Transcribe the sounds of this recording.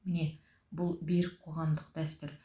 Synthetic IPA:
mɪne̞ | bʊlˠbeɾɪk̚qʰoʁɑmd̪əqd̪̥æst̪ɪɾ

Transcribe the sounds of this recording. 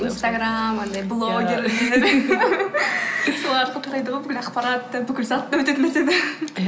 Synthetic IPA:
inst̪aɡɾamand̪ɑjblˠoɡʲe̞ɾleeed̪ɪ | solˠɑɾq̪əq̪ʰʊɾɑjd̪əʁojbʏkʲɪlɑqpɑɾɑt̪ːəbʏkʲɪlzɑt̪ːɑwɵt̪e̞t̪ɪmet̪ed̪ɪ

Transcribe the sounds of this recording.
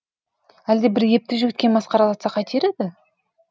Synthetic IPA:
æld̪e̞bɪɾje̞p̚t̪ɪʒʏɡʲɪt̪̚kʲe̞nbɑsqɑɾɑlˠɑt̪sɑqʰɑt̪ʰeɾed̪ɪ

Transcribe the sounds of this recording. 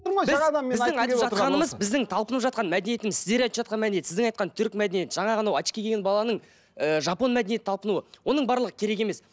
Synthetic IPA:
ɾojbɪzzd̪ɑmmeɪzd̪ɪŋɑjt̪əʒɑt̪ɾqɑnəməzbɪzd̪ɪŋt̪ʰɑlˠpənəpʒɑt̪qɑnmæd̪enije̞t̪ɪmɪzsɪzd̪e̞ɾɑjt̪ə̥pʒɑt̪qɑnmæenjesɪzd̪ɪŋɑjt̪̚qɑnt̪ʰʏɾkmæd̪enije̞t̪ʒ̥ɑɴɑʁənɑwɑʃkʲikʰʲeɡʲenbɑlˠɑnəɴ | əʒɑpo̞nmæd̪enjet̪ɪt̪ɑlˠpənuəwo̞nəɴbɑɾlˠəʁəkʲʰe̞ɾe̞k̬e̞me̞s

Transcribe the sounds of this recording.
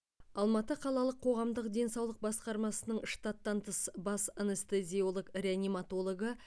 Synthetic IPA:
ɑlˠmɑt̪əqʰɑlˠɑlˠəqʰːo̞ʁɑmd̪əqd̪e̞nsɑwlˠəq̚bɑsqɑɾmɑsənəɴʃt̪ɑt̪ːɑnt̪ʰəsbɑsanəst̪ezʲio̞lˠəkrʲeanʲimat̪o̞lˠo̞ɡə

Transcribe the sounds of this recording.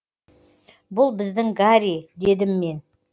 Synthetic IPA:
bʊlˠbɪzd̪ɪŋɡaɾid̪e̞d̪ɪmːe̞n

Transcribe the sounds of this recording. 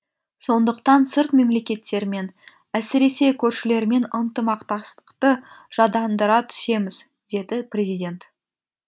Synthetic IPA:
so̞nd̪əqt̪ɑnsəɾt̪me̞mlekʲe̞t̪ːe̞ɾɪme̞n | æsɪɾe̞se̞kʲʰɵɾʃɪle̞ɾɪme̞nənt̪əmɑqt̪ɑst̪ə̥qt̪əʒ̥ɑd̪ɑnd̪əɾɑt̪ʰʏ̥se̞mɪz | d̪̥e̞d̪ɪprʲe̞zijdʲe̞nt̪

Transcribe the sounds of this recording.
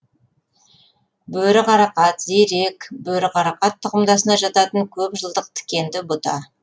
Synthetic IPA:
bɵɾɪqɑɾɑqɑt̪zeɾe̞kbɵɾɪqɑɾɑqɑt̪ʰːʊqəmd̪ɑsənɑʒɑt̪ɑt̪əŋkʲʰɵpʒəlˠd̪əq̚t̪ʰɪ̥kʲe̞nd̪ɪbʊt̪ɑ̰

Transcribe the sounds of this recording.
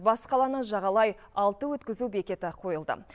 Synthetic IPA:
bɑsqɑlˠɑnəʒɑʁɑlˠɑjɑlˠt̪əwɵt̪kʲɪzube̞kʲe̞t̪ɪqʰo̞jəlˠd̪ə̰

